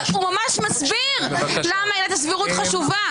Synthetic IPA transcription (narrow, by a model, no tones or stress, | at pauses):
umamaʃmasbi | ʁ | lamainat̪as̬viʁut̪χaʃuva